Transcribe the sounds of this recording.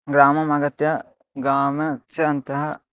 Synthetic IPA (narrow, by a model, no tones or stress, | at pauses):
ɡɾaːmɐmaːɡɐt̪jɐ | ɡɾaːmɐt͡ʃʰɐɐnt̪ɐɦɐ